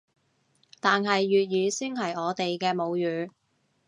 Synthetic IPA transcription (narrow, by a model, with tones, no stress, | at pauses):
t̪aː˨nɦɐ˨jːyː˨t̚jyː˨˧˥siː˥nɦɐ˨jɔː˨˧t̪e˨jkɛː˧mo˨˧wjyː˨˥